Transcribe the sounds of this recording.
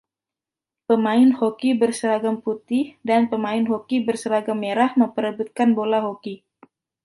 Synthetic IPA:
pəmaɪnhokibərsəɾaɡamput̪ɪhdanpəmaɪnɦokibərsəɾaɡamːeɾahməmpəɾəbut̪̚kanbolaɦoki

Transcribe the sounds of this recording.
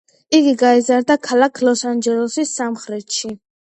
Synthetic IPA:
iɡiɡaizaɾd̪akʰalakʰlɔsand͡ʒɛɾɔsisːamχɾɛt̪ʃi

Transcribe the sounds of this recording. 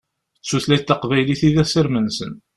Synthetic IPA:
sːuθlæjt̪ːɑqvæjliθiðæsəɾmənsən

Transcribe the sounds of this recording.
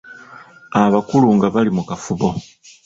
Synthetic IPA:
aβakuluŋɡaβalimukafuβo̞

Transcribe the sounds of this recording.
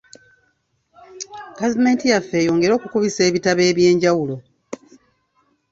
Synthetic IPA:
ɡ̥avime̞ːntijafːe̞ːjo̞ːŋɡe̞ɾo̞ːkukuβise̞ːβitaβe̞ːβje̞ːɲɟawulo̞

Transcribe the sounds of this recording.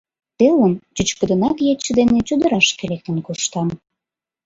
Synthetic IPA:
t̪elənt͡ɕyt͡ɕkə̆d̪ə̆nɑkjet͡ɕːəd̪enet͡ɕud̪əɾɑʃkelek̚t̪ənkoʃt̪ɑm

